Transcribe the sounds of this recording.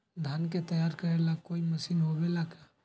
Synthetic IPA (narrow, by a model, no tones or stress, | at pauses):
d̪ʱanket̪əjaːɾkəɾelakːoiməsiːnɦobelaka